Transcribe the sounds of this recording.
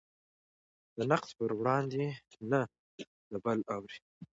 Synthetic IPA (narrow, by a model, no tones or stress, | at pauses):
d̪ənaqspəɾwɽɑnd̪ena | d̪̥əbalawɾi